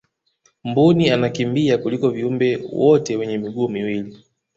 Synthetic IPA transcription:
m̩bunianakimbiakulikɔviumbɛwɔtɛwɛɲɛmiɠuːmiwili

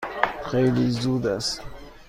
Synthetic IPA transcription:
ʁelizud̪as

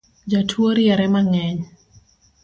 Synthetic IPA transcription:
d͡ʒɔtʰwoɾiɛɾɛmaŋɛɲ

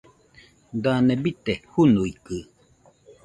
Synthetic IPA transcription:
d̪anebit̪ehunuikɨ

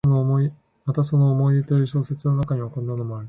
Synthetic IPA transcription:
nomoi | mat̪aso̞no̞ːmo̞iet̪oiɕo̞ːse̞t͡sɨno̞nakaɲ̟iokõ̞nːano̞mo̞aɾɯ

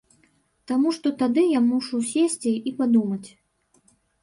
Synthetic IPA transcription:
t̪amuʂt̪ɔt̪ad̪ɨjamuʂusʲesʲt͡sʲiipad̪umɐt͡sʲ

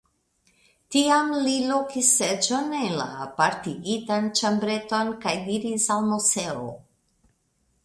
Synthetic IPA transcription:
tiamlilokisːed͡ʒo̞nenla̰paɾtiɡitant͡ʃambɾe̞to̞nkajdiɾisalmuse̞o̰

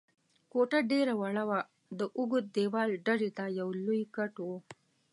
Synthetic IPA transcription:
koʈaɖeɾawaɭawa | d̪əʔʊɡʊt̪̚d̪ewɑlɖaɽit̪ajawlujkaʈwo

